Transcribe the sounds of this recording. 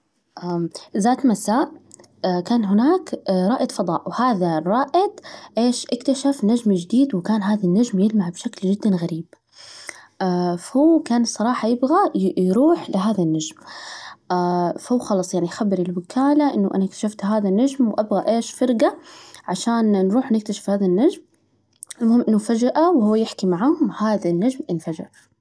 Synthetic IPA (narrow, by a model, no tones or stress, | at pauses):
ʔazaːt̪masaːʔ | kaːnɦɪnaːkɾˤɑːʔɪt̪fɑd̪ˤɑːʔwhaːðaɾˤɑːʔɪd̪ʔeːʃʔakt̪aʃafnad͡ʒmd͡ʒɪd̪iːd̪wɪkaːnɦaːðanːaʒmjɪlmaʕbʃakld͡ʒɪd̪ːanɣaɾiːb̥ | ʔafahuːkaːnsˤɑɾˤɑːħɑjɪbɣajɾuːħlɪɦaːðanːaʒmʔafahuːxɑlɑsˤjaʕniʔxabːɪɾɪlwɪkʰaːlaʔɪnːaʔa̰nakt̪ḁʃaft̪ɦaːðanːad͡ʒmwʔabɣaʔeːʃfɑɾˤɡaʕaʃaːnːɾuːħnɪk̚t̪aʃḁfhaːðanːaʒm | ɪlmʊhɪmʔɪnːufad͡ʒaʔawhuwːjɪħkimaʕahʊmhaːðanːad͡ʒmʔɪnfad͡ʒɪ̰ɾ